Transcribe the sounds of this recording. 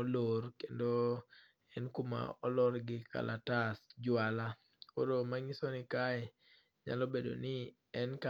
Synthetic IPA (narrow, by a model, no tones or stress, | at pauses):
olorkendo | ɛnkuma̰ɔlɔɾɡɪka̰latasd͡ʒwala | koɾomaŋisonɪkaɛ | ɲa̰lɔbedo̰nɪ | ɛnka